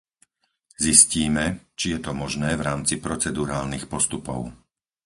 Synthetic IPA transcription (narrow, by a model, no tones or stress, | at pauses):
zisciːmɛt͡ʃijɛt̪ɔmɔʒnɛːvɾaːmt͡sipɾɔt͡sɛd̪uɾaːlnixpɔst̪upɔ̰ʊ